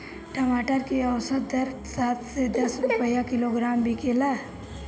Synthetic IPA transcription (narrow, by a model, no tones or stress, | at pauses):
ʈɐmaːʈəɾkeɐwsət̪̚d̪ɐɾ | saːt̪sed̪ɐsɾʊpəjakɪloɡɾaːmbʱikeːlaː